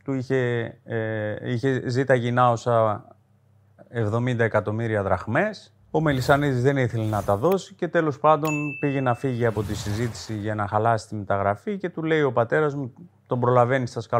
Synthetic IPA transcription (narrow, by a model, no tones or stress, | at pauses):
t̪uiçe̞ | içe̞zit̪ɐʝinɐo̞sɐ | evðo̞mind̪ɐe̞kɐt̪o̞miɾiɐðɾɐxme̞s | o̞me̞lisɐnizizðe̞niθe̞lenɐt̪ɐðo̞si̥ce̞t̪e̞lo̞spɐnd̪o̞npiʝe̞nɐfiʝiɐpo̞t̪isizit̪i̥siʝɐnɐxɐlɐsi̥st̪imit̪ɐɣɾɐfice̞t̪ule̞io̞pɐt̪e̞ɾɐzmu | t̪o̞mbɾo̞lɐve̞nist̪ɐskɐ